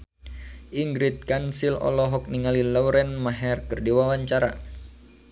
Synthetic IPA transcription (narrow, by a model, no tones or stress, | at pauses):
ʔiŋɡɾit̪̚kansilɔ̰lɔɦɔk̚niŋalilauɾɛnmaɦɛrkɨrdiwawaɲt͡ʃaɾa̰